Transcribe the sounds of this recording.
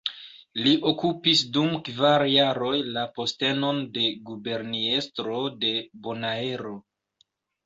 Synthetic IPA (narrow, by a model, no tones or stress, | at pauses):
liʔo̞kupisdumkvaɾjaɾo̞jlapo̞ste̞no̞nde̞ɡube̞ɾnie̞stɾo̞de̞bo̞nae̞ɾo̞